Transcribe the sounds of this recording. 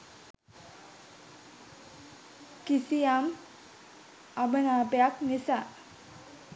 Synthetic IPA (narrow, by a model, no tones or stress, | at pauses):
kisijam | abənaːpejaknisa